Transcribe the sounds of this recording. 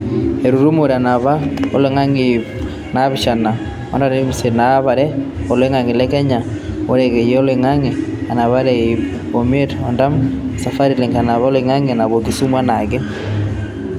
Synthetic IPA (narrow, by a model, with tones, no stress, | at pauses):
e˨ɾu˨ɾu˦mo˨ɾa˨na˨βa˦ɔ̰˦le˨ŋa˦ŋe | na˦βɪ˨ʃa˨na˨ | a̰˦nda˨ɾe˦mi˨se˨na˦βa˨ɾɛ˦ɔ˨le˦ŋa˨ŋe˨lɛ˦kɛ˦ɲa˨o˦ɾɛ˨kɛ˨jɛ˦ɔ˦le˨ŋa˦ŋe˨a˨na˨βa˦ɾɛip̚ | o˨m˦e˦tɔ˨nda˦m˨sa˨fa˦ɾi˦le˨ŋka˨na˨βa˦le˨ŋa˦ŋe˨a˨na˨βo˨ki˨su˦mwa˦na˨ɡɛ˦